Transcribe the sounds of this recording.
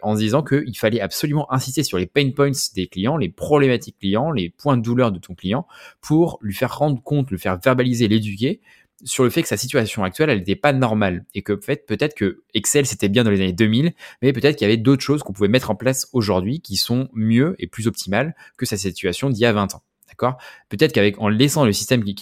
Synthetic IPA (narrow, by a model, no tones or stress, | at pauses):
ʔɑ̃d̪izɑ̃kəʔilfalɛapsɔlymɑ̃ʔɛ̃sist̪esyʁlepɛj̃npɔj̃t̪sd̪eklijɑ̃lepχɔblemat̪ikːlijɑ̃lepwɛ̃d̪əd̪ulœʁd̪ət̪ʰɔ̃klijɑ̃pʰuʁlɥifɛʁːɑ̃d̪ʁəkɔ̃t̪ləfɛʁvɛʁbalizeled̪ykʲe | syʁləfɛtkə̥sasit̪ɥasjɔ̃ak̚t̪ɥɛlɛlet̪ɛpanɔʁmalekəfɛt̪pøt̪ɛt̪χə̥kə | ɛksɛlset̪ɛbjɛ̃d̪ɑ̃lezaned̪ømilmɛpøt̪ɛt̪χkiljavɛd̪ot̪χʃozkɔ̃puvɛmɛt̪χɑ̃plasoʒuʁd̪ɥikʲisɔ̃mjøḛplyzɔp̚t̪ʰimalkəsasit̪ɥasjɔ̃d̪ijavɛ̃t̪ɑ̃ | d̪̥akɔʁpøt̪ɛt̪χəkavɛkɑ̃lɛsɑ̃ləsist̪ɛm